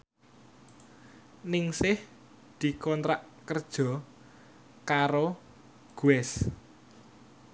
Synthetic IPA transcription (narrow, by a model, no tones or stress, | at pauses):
nɪŋsɪh | d̪̥i̤kɔnt̪ɾaʔkərd̥ʒ̥ɔ̤ | kaɾo | ɡ̥uɛs